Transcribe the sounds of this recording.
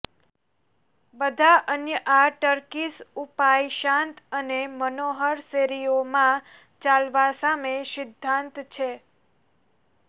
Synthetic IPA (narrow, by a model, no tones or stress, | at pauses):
bəd̪ʱaʔənjəʔaʈəɾkisupajʃãnt̪ənemənoɦəɾseɾiomã | t͡ʃalʋasamesɪd̪ʱːãnt̪t͡ʃʰe